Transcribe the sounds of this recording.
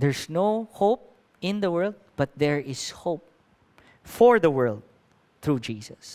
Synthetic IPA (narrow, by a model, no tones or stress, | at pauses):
ðɛɹsnoʊhoʊp̚ | ɪ̃nðəwɜ˞lˠd̪̚b̥ʌt̪̚ðɛɹɪshoʊp̚ | fɔɹðəwɜ˞ld̪̚ | θɹud͡ʒiːsəs